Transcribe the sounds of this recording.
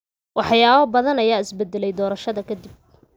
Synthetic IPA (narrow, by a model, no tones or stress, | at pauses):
wɑħjaːβɐbɐðɐnɐjaːɪsbɛd̪ːɛlɛjd̪ɔːɾɐʃɐðɐkʰɐd̪ib̚